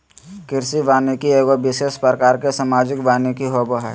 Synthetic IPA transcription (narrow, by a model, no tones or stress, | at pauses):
kɪɾsiʋaːnekieːɡobɪseːspɾəkaːɾkesəmaːd͡ʒɪkbaːnekiɦoːboɦɛ̰